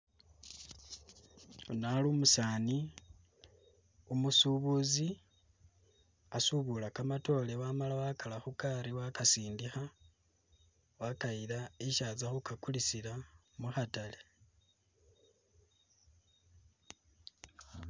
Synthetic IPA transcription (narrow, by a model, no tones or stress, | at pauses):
onalumusaːni | umusuβuzi | asuβulakamato̞lewamalawakalaxukaɾiwakasiːndixa | wakailaeʃaːzaxukakulisila | muxatale